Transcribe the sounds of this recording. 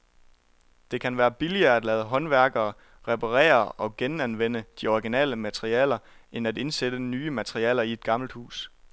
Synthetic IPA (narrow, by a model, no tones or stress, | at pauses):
d̥e̝kʰænʋæːɐb̥iliɐːæd̥lɛːð̞̩ˠəɦɒ̽nʋæɐɡ̥ɐː | ʁɛpʰɑʁɛ̰ːɐɒ̽ɡ̥enænʋen̰əd̥iɒʁiɡ̥inɛ̰ːləmæt͡sʰʁiɛ̰ːlɐe̝næd̥e̝nsed̥ənyːəmæt͡sʰʁiɛ̰ːlɐie̝d̥̚ɡ̥ɑ̈ml̩d̥hṵːs